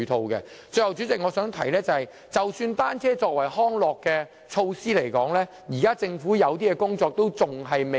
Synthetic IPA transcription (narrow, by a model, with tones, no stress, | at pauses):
t̪ʰo˧wkɛ̰˧t͡sɵ˧hɐ˨˧wt͡sy˨˥t͡sɪ˨kŋɔː˨˧sœː˨˥ŋt̪ʰɐ˨˩jlɛː˥t͡sɐ˨hɐ˨j | t͡sɐ˨wsyː˧nt̪aː˥nt͡sʰɛː˥t͡sɔː˧k̚wɐ˨˩jhɔː˥ŋlɔː˨kːɛː˧ | t͡ʃʰo˧wsiː˥le˨˩jkɔː˨˥ŋlɛː˥ | jiː˨˩kaː˥t͡sɪ˧ŋfuː˨˥jɐ˨˧wt̪̬iː˥kɛ˧kʊ˥ŋt͡sɔː˧k̚t̪o˥wt͡sʊ˨ŋɦɐ˨jme˨